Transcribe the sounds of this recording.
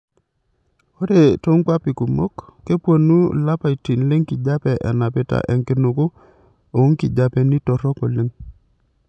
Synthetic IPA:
o˦ɾe˨to˦ŋkwa˦pi˨ku˨mo̰˦kːe˦pwo˨nːu˦la˦pa˨i˨ti˨nle˦ŋki˨d͡ʒa˦pɛ˨ʔɛ˨na˨pɪ˦ta̰˨ʔɛ˨ŋkɪ˦no˨kʊ˦ | o˨˦ŋki˨d͡ʒa˨pɛ˨ni˦tɔ˨ɾɔ˦kɔ˨le˦ŋ

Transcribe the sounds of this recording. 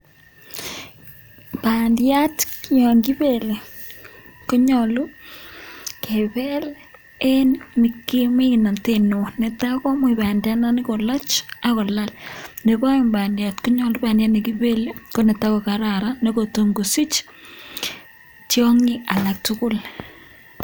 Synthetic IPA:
bandja˦tkiɔ˨ŋɡi˦be˨le˨ | ko˦ɲɔlu˦ | ke˨βe˦l | e˦nni˨ki˦mi˦kna˨te˨no˨ne˨ta˦kɔ˦m˦i˨ba˨ndja˦na˦nɪ˦ko˨la˦t͡ʃa˦kɔ˨la˦lne˨βa˦ɔ˦mba˨ndja˨tko˦ɲɔ˨lu˦pa˨ndja˦tni˨ki˦βe˦le˦ko˦ne˨ta˦ko˨ka˨ɾa˨ɾa˦ne˦ko˨to˨ŋɡo˨si˦t͡ʃ | tjɔ˦ŋɪ˦ʔa˨la˨k̚tʊkʊ˦l

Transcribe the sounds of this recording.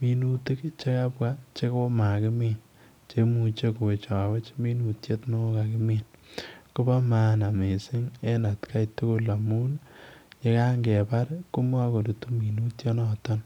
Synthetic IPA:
mi˨nu˦ti˦kt͡ʃe˦ka˦pwa˦t͡ʃe˦ko˦ma˨kɪ˦mi˨n | t͡ʃe˦mu˨t͡ʃe˦ku˨e˨t͡ʃa˨we˦t͡ʃmi˦nu˨tje˦tno˦ka˨kɪ˦mi˨nkʊ˦ba˦ma˦na˨me˨sɪ˦ŋe˦na˨tkʰa˦jtu˦ku˦la˨mu˦nɲe˨ka˦ŋɡe˨pa˦ɾku˦m˦a˦ko˨du˨tu˦mi˨nu˦tjo˦nɔ˨tɔ˦n

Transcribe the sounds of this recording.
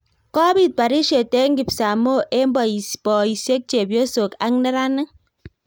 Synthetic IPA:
kɔ˦bi˦˨t̚k͡pa˨ɾi˦ʃe˨te˦ŋ̩˦ɡi˨psa˨mo˦ʔe˦m̩˦bɔ˨i˨spɔ˨i˨se˦k̚t͡ʃe˨bjo˦so˨ka˨˦ŋ˦ne˦ɾa˦nɪ˦

